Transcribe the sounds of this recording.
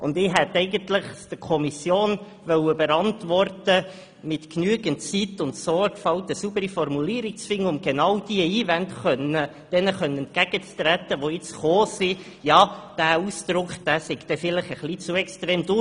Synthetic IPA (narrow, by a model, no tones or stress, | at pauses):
ʔʊnd̪ɪɦɛt̪ɛɪɡənt̪ləχsd̪̥əkʰɔmisjoːn | ʋœwəbəɾɑntʋɔrtə | mɪt̪knyəɡənt͡sit̪ʊnt̪soːkfɑwtəsubəɾifɔrmuliːɾɪk̚t͡sfɪŋːəʊmɡ̥enɑwd̥iəiːvɛntχœnə | d̥ɛnəχœnənɛnt̚kæɡ̥ət͡st̪ɾætːəʋoɪt͡sχoːsi | jɑːd̥æːusd̥ɾʊkχd̥æːsɪɡ̥t̪ɛfɪlɪχəχlit͡suɛkstɾeːmdʊ